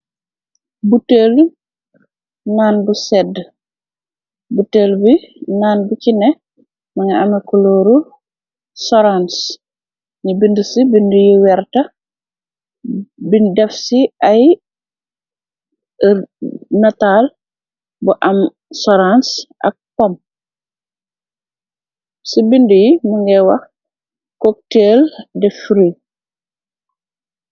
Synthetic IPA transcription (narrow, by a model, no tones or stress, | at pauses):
butel | naːnbusɛd | buteːlbinaːnbucinɛ | mɐŋɐɐmɐkɔloːɾu | sɔɾans | ɲibindusibindujiwɛɾtɐ | bidɛfsiɐj | nataːl | buʔɐm | sɔɾansʔɐ̰k̚pɔm | sibindujimuŋɡɛwɐx | kɔk̚teldɛfɾi